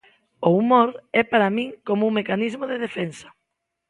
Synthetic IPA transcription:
ʊumoɾɛpaɾamĩŋkomuŋmekanizmʊðeðefensɐ̥

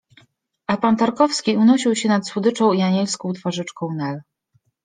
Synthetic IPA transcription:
ʔapant̪aɾkɔfskʲiunɔɕiwɕɛnat̪swud̪ɘt͡ʂɔ̃w̃iaɲɛlskɔ̃w̃t̪faʐɘt͡ʂkɔ̃w̃nɛl

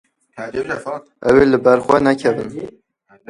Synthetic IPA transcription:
ʔɛwelɨbɛɾxʷwɛnɛkʰɛbɨn

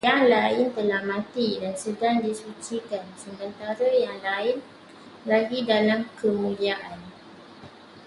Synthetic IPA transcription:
jaŋlaɪnt̪əlahmãt̪idansədaŋdisut͡ʃikansəmbənt̪aɾəjaŋlaɪn | laɡidalamkəmũliaʔan

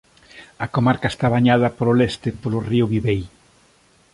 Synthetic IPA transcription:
ɐkomaɾkae̥st̪aβaɲað̞ɐpoɾolɛst̪ɪpolʊriʊβiβej

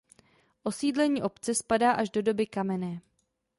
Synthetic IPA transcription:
ʔo̞siːdlɛɲiːʔo̞pt͡sɛspadaːʔaʒdo̞do̞bɪkamɛnɛː

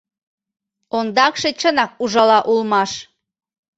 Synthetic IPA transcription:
ond̪ɑkʃet͡ɕənɑk̚uʒɑlɑʔulmɑʃ

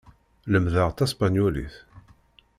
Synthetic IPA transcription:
ləmðəʁt̪æspanjulḭθ

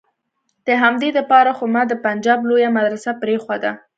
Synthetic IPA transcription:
d̪̥əɦamd̪ed̪əpɑɾaxomad̪əpand͡ʒɑblojamad̪ɾasapɾexwad̪a

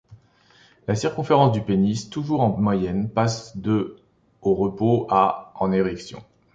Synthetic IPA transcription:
lasiʁkɔ̃feʁɑ̃sd̪ypenist̪uʒuʁɑ̃mwajɛnpasd̪ø | oʁəpoaɑ̃neʁɛksjɔ̰̃

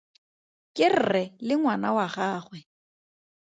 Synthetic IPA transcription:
kʼɪr̩rɛlɪŋwanawaχaːχwɛ

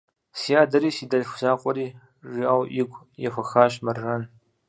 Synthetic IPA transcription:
siaːdɐɾiːsidɐʒxʷzaːqʷʼɔɾiː | riaːwʔɪɡʷʼ | jɛxʷɐxaːɕmɐrrɐn

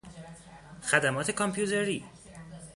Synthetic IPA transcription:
xæd̪æmɒːt̪ʰe̞kʰɒmpʰjuːt̪ʰeɾiː

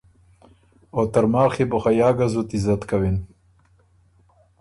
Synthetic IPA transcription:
ot̪ɐɾmaːxibuxajaːɡazut̪izɐt̪kawin

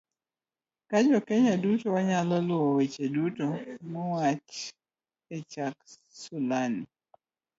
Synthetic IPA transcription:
kad͡ʒɔkeɲadutɔwaɲalɔlwɔwet͡ʃedutomɔwat͡ʃ | ɛt͡ʃak | sulani

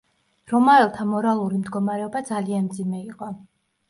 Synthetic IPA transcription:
ɾɔmaɛlˠt̪ʰamɔɾalˠuɾimd̪ɡɔmaɾɛɔbad̪zalianmd̪zimɛiqʼɔ

